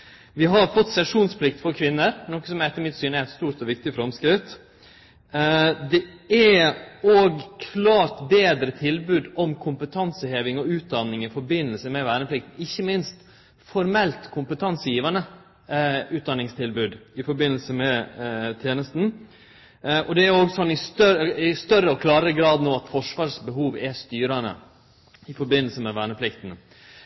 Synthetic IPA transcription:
ʋɪɦɑɾfɔt̪ːsɛʂuːnspʰlɪkt̪fɔɾkʰʋɪnːəɾnɔkːəsɔmɛɛt̪ːəɾmɪt̪syːnæɾæt̪st̪uːɾt̪ɔʋɪk̚t̪ɪfɾɔmskɾɪt̪ | d̪ɛæoːɡkʰlɑːɾt̪beːd̪ɾət̪ʰɪlbʉːd̪ɔmkʰʊmpət̪ʰɑnsəheːʋɪŋɔʉːt̪̚d̪ɑnːɪŋɪfɔɾbɪnːəlsəmɛʋæːɾɳəpʰlɪkt̪n̩ɪçːəmɪnst̪ | fɔɾmɛlt̪kʰʊmpət̪ʰɑnsəjiːʋɑnə | ʉːt̪̚d̪ɑnɪŋst̪ʰɪlbʉːd̪ɪfɔɾbɪnːl̩səmɛt̪ʰjeːnəst̪n̩ | ʔɔd̪ɛæɾoːɡsɔnːɪst̪œɪst̪œɾəɔkʰlɑːɾəəɡɾɑːd̪noːɑt̪fɔʂʋɑːʂbəɦuːʋɛst̪yːɾɑnə̰ | ɪfɔɾbɪnəl̩səmɛʋæːɳəpʰlɪkt̪n̩

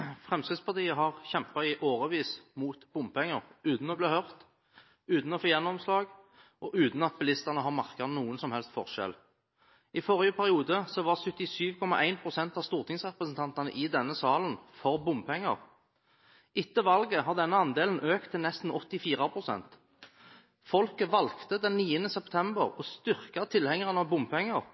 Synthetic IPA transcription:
fʁɛmskɪt̪spɑʁt̪iːəɦɑʁçɛmpɑɪʔoːʁəʋiːsmuːt̪bʊmpɛŋːəʁʉːt̪n̩ɔbliːhœʁt̪ | ʉːt̪n̩ɔfoːjɛnːɔmslɑːɡ | ʔɔʔʉːt̪n̩ɑt̪̚bɪlɪst̪ɑnəɦɑʁmɑʁkənuːənsɔmhɛlst̪fɔʁʃɛ̰l | ɪfɔʁɪəpʰæʁɪuːd̪əsɔʋɑʁsœt̪ːɪsyːʋkʰɔmɑʔæɪnpʰʁʊsɛnt̪ɑːʋst̪uːʁt̪ʰɪŋsʁɛpɾəsn̩t̪ɑnt̪ɑnə̰ʔɪd̪ɛnːəsɑːlənfɔʁbʊmpʰɛŋːə̰ʁ | ʔɪt̪ːəʋɑlɡəɦɑʁd̪ɛnːəɑnd̪eːln̩ʔøːk̚t̪ʰːɪlnɛst̪n̩ɔt̪ːɪfiːʁɑpʰɾʊsɛ̰nt̪ | fɔlkəʋɑlkt̪əd̪ɛnniːənəsɛpt̪ʰɛmbəʁɔst̪ʏʁkɑt̪ʰɪlhɛŋəʁnəɑʋbʊmpʰɛŋːəʁ

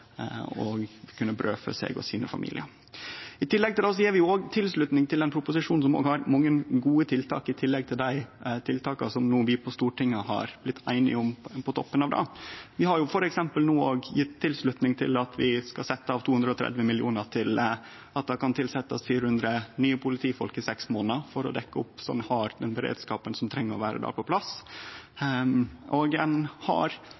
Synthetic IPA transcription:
ɔ̰kʰʉnːəbɾøːfə̰sɛ̰ɡɔ̰siːnəfɑ̰mḭːlɪ̰əɾ | ɪt̪ʰɪlːɛɡ̚t̪ɪlɛs̬ɔjiːɾʋɪoːɡt̪ʰɪlslʉt̪nɪŋt̪ʰɪlɛnpɾʊpʊsɪʂuːnsɔmo̰ːɡhɑɾmɑŋːənɡuːət̪ʰɪlt̪ʰɑ̰ːkɪt̪ʰɪlːɛɡ̚t̪ʰɪld̪æɪt̪ʰɪlt̪ʰɑːkɑ̰sɔmnuːʋɪpʰɔst̪uːʈɪŋːəhɑ̰ɾb̥lɪt̪ʰːæɪnɪ̰ʊmpʰɔt̪ʰɔ̰pːənɑʋd̪ɑ̰ʋɪhɑɾjʊfɔɾɛksɛmpəlnuːoːɡjɪt̪tːɪlslʉt̪nɪŋt̪ʰɪ̰lɑt̪ʰʋɪskɑsɛt̪ːəɑːʋt̪ʰuːhʉnd̪ɾəɔt̪ʰɾɛ̰d̪ʋəmɪlɪṵːnəʈʰɪl | ɑt̪̚d̪ɛkɑnt̪ʰɪlsɛt̪ːəsfyːɾəhʉnd̪ɾənyːəpʰʊlɪt̪ʰiːfɔlkɪsɛksmoːnəfɔɾɔ̰d̪ɛkːəʊpːsɔ̰nhɑːɾd̪ɛnbəɾḛːd̪skɑːpənsɔmt̪ʰɾɛŋːəɾɔʋæːɾə̰d̪æ̰ːɾpʰɔpʰlɑs | ʔɔɡɛnhɑ̰ɾ

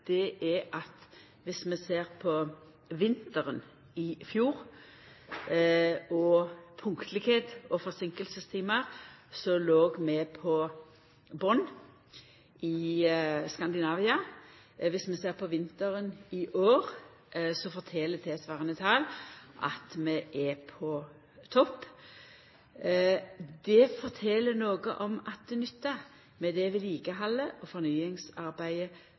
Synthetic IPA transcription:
d̪̥ɛʔɛʔɑt̪ | ʋɪsmɛseːʁpʰɔ | ʋɪnt̪əɾən | ɪfjuːʁ | ɔpʰʊŋkt̪lɪkheːt̪ɔfɔʁsɪŋkəlsəst̪ʰiːməʁsɔloːɡmɛpʰɔ | bɔnː | ɪ | skɑnd̪ɪnɑːʋɪɑ | ʋɪsmɛseːʁpʰɔʋɪnt̪əɾənɪʔoːʁ | sɔfɔɾt̪ʰɛlət̪ʰɛsʋɑːʁənət̪ʰɑːlʔɑ̰t̪mɛʔɛpʰɔ | t̪ʰɔpː | d̪ɛfɔɾt̪ʰɛlənoːɡə̰ʔɔmɑt̪̚d̪̥ɛnʏt̪ːɑ | mɛd̪ɛʋɪliːkəɦɑlːəʔɔfɔɾnyːɪŋsɑɾbæɪə

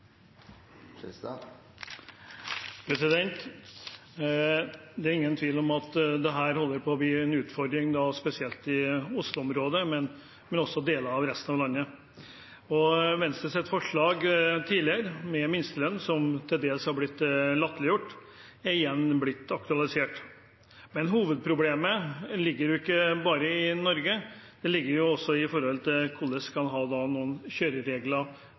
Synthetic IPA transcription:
pʰɾɛsɪd̪ɛnt̪ | d̪ɛæɾɪŋːənt̪ʰʋiːlɔmɑt̪d̪ɛɦæːɾhɔlːəɾpʰɔbɪːɛnʉːt̪fɔɾd̪ɾɪŋd̪ɑːspɛsɪɛlt̪ɪʊslʊɔmɾoːd̪əmɛn | mɛnɔsːɔd̪eːləɑʋɾɛst̪nɑʋlɑnːə | ɔʋɛnst̪ɾəsɛt̪ːfɔʂɭɑːɡt̪ʰiːlɪəɾmɛmɪnst̪əlœnːsɔmt̪ʰɪld̪eːlshɑɾblɪt̪ːlɑt̪ːlɪjʊʈː | æɾɪjɛnːblɪt̪ːɑkt̪ʉɑlɪseːʈ | mɛnɦuːʋəd̪̚pʰɾʊbleːməlɪɡːəɾjʊɪkːəbɑːɾəɪnɔɾɡəd̪̥ɛlɪɡːəɾjʊɔsːɔɪfɔɾhɔlt̪ʰɪlkʰulːəskʰɑnɦɑːd̪ɑːnuːənɕøːɾəɾeːɡlɑ

